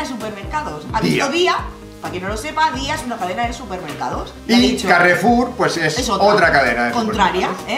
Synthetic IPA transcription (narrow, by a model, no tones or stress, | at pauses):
ðesupeɾmeɾkaðosaðd̪ioðia | pakjenolose̞paðiaesunakað̞enaðesupeɾmeɾka̰ðosaiit͡ʃokarefuɾpwesesesoot̪ɾakaðenaðeskont̪ɾaɾjae